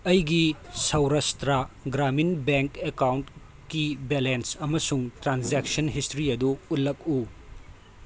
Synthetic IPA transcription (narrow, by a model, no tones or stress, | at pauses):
ɐjɡisɐwɾɐstɾɐɡɾaminbeŋkekawnt | kibelensɐmɐsuŋtɾanzeksɐnɦistɾiɐduːt̚lːɐk̚u